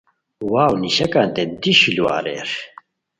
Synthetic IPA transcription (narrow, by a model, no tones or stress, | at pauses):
waːwniʃɐkant̪ɛnd̪iʃilua̰ɾɛ̰ɾ